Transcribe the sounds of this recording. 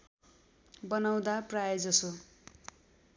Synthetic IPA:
bʌnaw̃d̪aprajd͡zʌso

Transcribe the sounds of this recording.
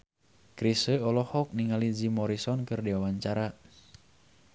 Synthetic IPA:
kɾisəɔlɔhɔk̚niŋalid͡ʒimɔɾisɔnkɨrdiwawaɲt͡ʃaɾa

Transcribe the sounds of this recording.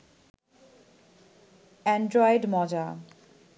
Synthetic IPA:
ɛɳɖɾɔjɖmɔd͡ʑa

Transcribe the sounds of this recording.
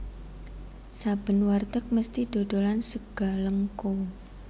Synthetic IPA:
sab̥ə̤nwart̪ək̚məst̪iɖ̪̥o̤ɖ̪̥o̤lansəɡ̥a̤ləŋko

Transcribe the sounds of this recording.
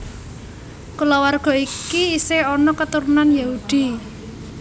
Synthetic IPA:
kulɔwarɡ̥ɔ̤ikiiseɔnɔkət̪uɾunanjahud̪̥i̤

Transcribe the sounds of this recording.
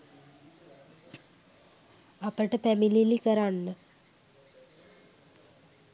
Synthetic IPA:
apəʈəpæmililikəɾanːə

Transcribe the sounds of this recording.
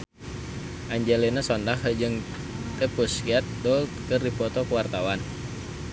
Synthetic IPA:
ʔaɲd͡ʒɛlinasɔndahd͡ʒɨŋ | t̪ɛpuskiat̪̚dɔlt̪kərdipɔt̪ɔkəwart̪awan

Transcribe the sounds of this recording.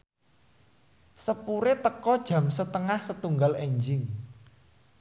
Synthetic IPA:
səpuɾet̪əkɔd̥ʒ̥a̤msət̪əŋahsət̪uŋɡaleɲd͡ʒɪŋ

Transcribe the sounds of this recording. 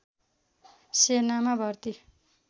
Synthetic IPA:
senamabʱʌrt̪i

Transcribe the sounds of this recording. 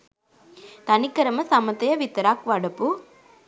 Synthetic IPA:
t̪ɐnɪkːɐɾɐmɐsɐmɐt̪ɐjɐʋɪt̪ɐɾaːkʋɐɽɐpːu

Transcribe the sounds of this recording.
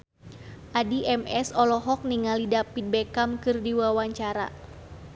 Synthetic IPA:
ʔadiʔɛmɛsɔlɔɦɔk̚niŋalidapit̪̚bekamkɨrdiwawaɲt͡ʃaɾa̰

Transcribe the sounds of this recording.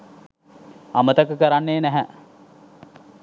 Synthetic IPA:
amət̪əkəkəɾanːeːnæɦæ

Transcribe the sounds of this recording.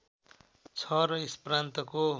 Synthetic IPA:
t͡sʰʌɾʌisprant̪ʌko

